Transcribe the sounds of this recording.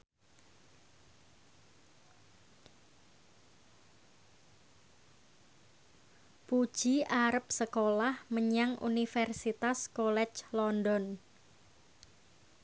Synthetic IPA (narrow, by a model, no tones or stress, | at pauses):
pu̥ʒ̥iʔaɾəp̚səkolahməɲaŋʔṵnifɛrsit̪askolɛt͡ʃlɔndɔn